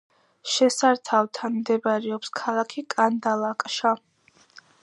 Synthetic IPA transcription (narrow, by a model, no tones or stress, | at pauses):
ʃɛsaɾt̪ʰavt̪ʰanmd̪ɛbaɾɛɔpskʰalˠakʰikʼand̪alˠakʼʃa